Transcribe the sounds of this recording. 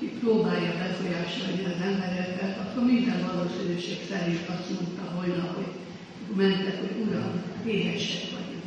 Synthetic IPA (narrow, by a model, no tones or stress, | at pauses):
kiproːbaːjːɒbɛfo̞jaːʃo̞lniɒzɛmbɛɾɛbɛlɒkːormind̪ɛnvɒloːsyløːʃeksɛlint̪ɒst̪mont̪ɒɦo̞jnɒɦo̰ɟ | kmɛnt̪ɛkho̞ɟuɾɒnʋeːɦɛʃɛkʋɒ̰ɟon